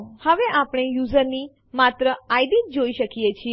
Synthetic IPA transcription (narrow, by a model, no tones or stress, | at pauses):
həʋeʔapɳ̃ejuzəɾni | mat̪ɾəajd̪it̚d͡ʒoiʃəkijet͡ʃʰie